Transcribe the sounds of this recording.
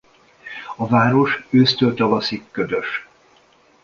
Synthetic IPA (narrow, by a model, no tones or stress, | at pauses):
ɒvaːɾo̞ʃøːst̪ølt̪ɒvɒsikːød̪øʃ